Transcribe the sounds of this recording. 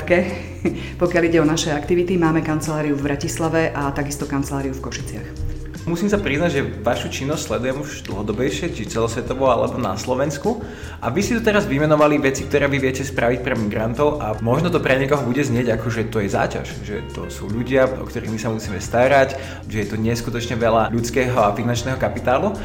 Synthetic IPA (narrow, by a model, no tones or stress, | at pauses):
t̪kɛ | pɔkjaliɟɛɔnaʃɛakt̪iʋit̪imaːmɛkant͡sɛlaːɾiuvbɾacislaʋɛʔat̪aɡist̪ɔkant͡sɛlaːɾiufkɔʃi̥t͡sɪax | musiːms̬apɾiznaɟʒɛʋaʃut͡ʃinːɔscʲslɛd̪ujɛmuʒd̪l̩ɦɔd̪ɔbɛjʃɪɛt͡ʃit͡sɛlɔsʋɛt̪ɔʋɔalɛ̰bɔna̰slɔʋɛnsku | ʔa̰ʋisit̪ut̪ɛɾazʋimɛnɔʋaliʋɛt͡sik̚t̪ɔɾɛːʋiʋɪɛcɛspɾaʋic̚pɾɛmiɡɾant̪ɔʊʔamɔʒnɔt̪ɔpɾɛɲɛkɔɦɔbuɟɛzɲɪɛɟakɔʒɛt̪ɔjɛza̰ːca̰ʃʒɛt̪ɔ̰suːʎuɟɪaɔ̰kt̪ɔɾiːɣmisamusiːmɛst̪aɾac | ʒɛjɛt̪ɔɲɪɛskut̪ɔt͡ʃɲɛʋɛlaʎut͡skɛːɦɔafinant͡ʃnɛːɦɔkapit̪aːlu